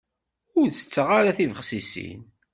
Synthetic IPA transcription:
ʊɾθə̥t͡sːəʁaɾaθivəχsisḭn

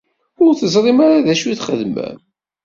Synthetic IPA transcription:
ʊɾθəzɾˤimaɾaðæʃwiθχəðmæ̰n

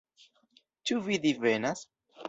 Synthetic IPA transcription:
t͡ʃuvidivenas

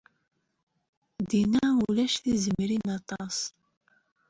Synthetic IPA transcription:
d̪inaːwulɛʃθizɨmiɾinɑt̪ɑs

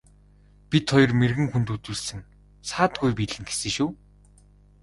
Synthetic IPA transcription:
pʲit̪χɔjɞ̆rmerɣɘ̆ŋxunt̪ut͡suːɮsɘ̆ŋ | saːt̪̚ɡujpiːɮɘ̆ŋɡe̥sɘ̆ːʃuː

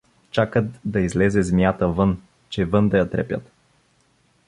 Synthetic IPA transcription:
t͡ʃakət̪d̪əizlezezʲmiat̪əvən | t͡ʃevənd̪əjət̪ɾɛpʲə̰t̪

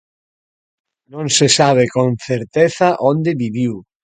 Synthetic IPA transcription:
nõŋsesaβ̞ekõnθeɾt̪eθaʔond̪eβiβiw

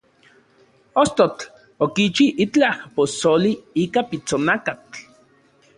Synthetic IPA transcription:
ost̪ot͡ɬ | okit͡ʃiʔit͡ɬahposoliiːkapit͡sonakat͡ɬ

